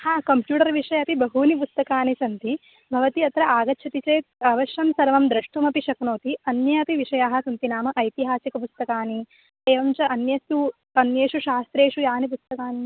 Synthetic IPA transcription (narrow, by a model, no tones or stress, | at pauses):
haːkɐmpjuːʈɐɾʋiʂɐjɐpibɐɦuːnipust̪ɐkaːnisɐnt̪i | bʱɐʋɐt̪iɐt̪ɾɐʔaːɡɐtːʃʰɐt̪it͡ʃeːt̪̚ɐʋɐʃjɐmsɐɾʋɐmd̪ɾɐʂʈʋɐmɐpiʃɐknoːt̪iɐnjɐɐpiʋiʂɐjaːɦɐsɐnt̪inaːmɐʔɐjt̪iɦaːsikɐp̬ust̪ɐkaːni | eːʋɐmt͡ʃɐʔɐnjɐst̪u | ɐnjeːʂuʃaːst̪ɾeːʂujaːnip̬ust̪ɐkaːni